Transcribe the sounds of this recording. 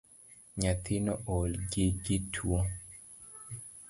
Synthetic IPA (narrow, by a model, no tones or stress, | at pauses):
ɲat̪ʰɪnɔʔɔlɡeɡɪtʰwɔ